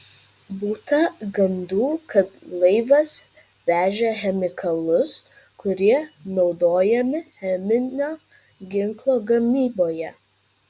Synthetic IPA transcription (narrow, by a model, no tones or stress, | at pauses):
buːt̪ɐɡɐnd̪uːkɐt̪lˠɐɪʋɐs | ʋʲæːʒʲɛxʲɛmʲɪkʰɐlˠʊs | kʊɾʲiɛnɒʊd̪oːjɛmʲɪxʲɛmʲɪnʲoː | ɡʲɪŋklˠoːɡɐmʲiːboːjɛ